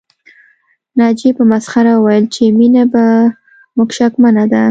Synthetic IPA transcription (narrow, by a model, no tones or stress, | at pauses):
nɑd͡ʒepəmasxaɾawajəlt͡ʃeminaba | mʊkʃakmanad̪a